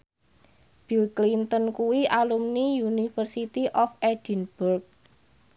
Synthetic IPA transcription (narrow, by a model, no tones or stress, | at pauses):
b̥ilklint̪ənkuwiʔalumnijunifərsit̪iʔɔfɛd̥inb̥urk̚